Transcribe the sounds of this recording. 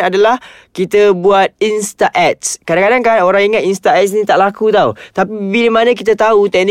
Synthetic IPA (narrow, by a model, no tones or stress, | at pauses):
adalahkit̪əbuat̪̚inst̪aʔɛt̪̚skadaŋkadaŋkanoɾaŋiŋat̪inst̪aɛtsnĩt̪aʔlakut̪aut̪apibibilemanãk̬it̪at̪aut̪ɛʔn